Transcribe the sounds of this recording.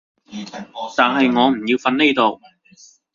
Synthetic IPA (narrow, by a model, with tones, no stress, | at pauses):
t̪aː˨nɦɐ˨jŋɔː˨˧m̩˨˩jiː˧wfɐ˧nne˥jt̪o˨˧w